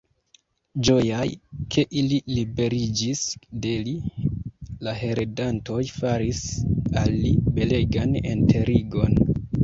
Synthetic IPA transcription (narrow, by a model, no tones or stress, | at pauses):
d͡ʒojajkʰe̞ʔililibe̞ɾid͡ʒisdeli | laɦe̞ɾedanto̞jfaɾisalːibe̞le̞ɡanḛntʰe̞ɾiɡo̞n